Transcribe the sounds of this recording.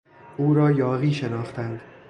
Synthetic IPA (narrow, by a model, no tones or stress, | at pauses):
ʔuːɾɒːjɒːɣiːʃe̞nɒːχt̪ʰænd̪̥